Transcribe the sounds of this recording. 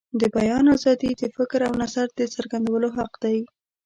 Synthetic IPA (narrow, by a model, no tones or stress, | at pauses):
d̪əbajɑnazɑd̪id̪əfɪkɾawnazaɾd̪əsəɾɡand̪awəloɦaqd̪aj